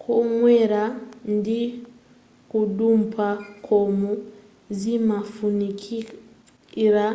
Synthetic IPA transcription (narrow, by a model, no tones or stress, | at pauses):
kʰoŋweɾandi | kudumpʰakʰɔmu | zimafunikʰi | ɾa